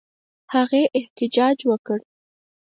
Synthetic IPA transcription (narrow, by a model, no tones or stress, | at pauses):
haɣeʔɪht̪ɪd͡ʒɑd͡ʒwəkəɽ